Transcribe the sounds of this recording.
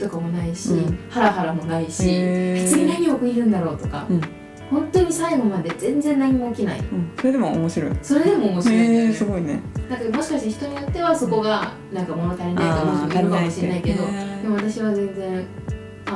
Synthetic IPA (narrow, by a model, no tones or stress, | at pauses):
t̪o̞kamo̞naiɕihaɾaɦaɾamo̞naiɕiçɨ̥t͡sɨɲʲinaɲ̟iokɯ̟ɲiɾɯ̟̃nd̪aɾo̞ːt̪o̞ka̰ | hõ̞nt̪o̞ɲ̟isaiɡo̞mad̪e̞d͡zẽ̞nd͡zẽ̞nlaɲ̟imo̞ːkʲinaḭ̃so̞ɾe̞d̪emoomoɕiɾo̞̰ḭso̞ɾe̞d̪e̞mo̞ːmo̞ɕiɾosɨɡo̞inḛd̪aŋkamo̞ɕi̥kaɕit̪eçi̥t̪o̞ɲ̟ijo̞t̪ːe̞βaso̞ko̞ɡa | nãŋkamo̞no̞t̪aɾʲinaik̪amooiɯk̪aamoɕiɾenaike̞d̪o̞d̪emo̞βat̪aɕiβ̞azẽ̞nd͡zẽ̞ŋ̃ | a